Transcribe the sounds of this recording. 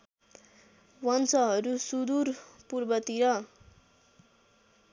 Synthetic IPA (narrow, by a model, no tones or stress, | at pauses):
wʌnt͡sʌɦʌɾusud̪urpurbʌt̪iɾʌ